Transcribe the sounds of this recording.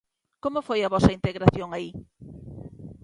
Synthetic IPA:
komʊfojɐβɔsɐint̪eɣɾaθjoŋai

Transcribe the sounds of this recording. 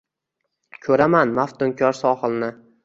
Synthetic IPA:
kʲʰɵɾamanmaft̪ʊŋkʲʰɒɾsɒχɨlˠnɪ

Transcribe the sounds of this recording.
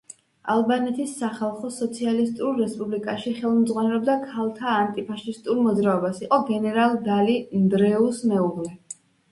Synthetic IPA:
alˠbanɛt̪ʰisːaχalˠχɔsɔt̪sʰialist̪ʼuɾːɛspʼublikʼaʃiχɛlˠmd̪zʁwanɛlɛb̚d̪akʰalˠt̪ʰaːnt̪ʼipʰaʃist̪ʼuɾmɔd̪zɾaɔbasiqʼɔɡɛnɛɾalˠd̪alind̪ɾɛusmɛuʁlɛ

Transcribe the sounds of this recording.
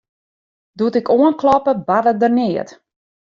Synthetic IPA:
dutɪkoənklɔpəbadədərnɪət

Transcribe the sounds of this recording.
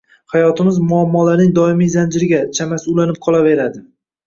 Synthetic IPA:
hajɒt̪ʰɪmɪzmʊamːɒlaɾnɪŋd̪ɒɪmizand͡ʒɪɾɪɡʲat͡ʃʰamasʊlanɪp̚qʰɒlˠave̞ɾad̪ɪ

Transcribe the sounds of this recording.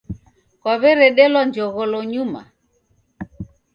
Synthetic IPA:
kwaβɛɾɛɗɛlwand͡ʒɔɣɔlɔɲuma̰

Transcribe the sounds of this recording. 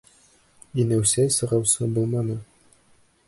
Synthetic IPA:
inæwsæjsɤ̆ʁɑwsɤbulˠmɑnɤ

